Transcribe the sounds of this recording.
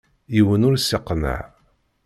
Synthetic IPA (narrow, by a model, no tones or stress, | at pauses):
jiwənʊɾsiqːnə̰ʕ